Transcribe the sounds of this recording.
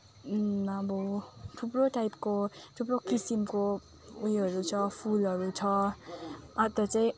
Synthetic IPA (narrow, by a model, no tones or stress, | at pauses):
ʌbʌʈʰuproʈajpkoʈʰupɾokisimko | ujʌɾut͡sʰʌpʰulɦʌɾut͡sʰʌ | ʌt̪ʌt͡saĩ